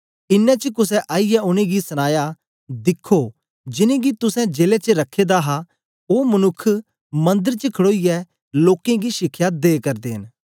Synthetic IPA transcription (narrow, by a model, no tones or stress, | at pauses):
ɪnːɛ̃t͡ʃəkʊs̬ɛ̃ʔaːijɛʊnẽɡisɐñaːja | d̪ɪkʰːo | d͡ʒɪnẽɡit̪ʊsɛ̃d͡ʒeːlet͡ʃəɾɐkʰːeːd̪aɦa | oːmɐnʊkʰː | mɐ̃nd̪əɾt͡ʃəkʰɐɽoːijɛ | loːkẽɡiʃɪkʰːjad̪eːkɐɾd̪eːɦən